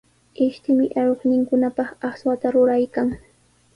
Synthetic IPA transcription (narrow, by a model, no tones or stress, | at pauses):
ɪʃt̪ɪmɪʔaɾoχnɪŋkʊnapɑχɑχswat̪aɾʊɾajkaŋ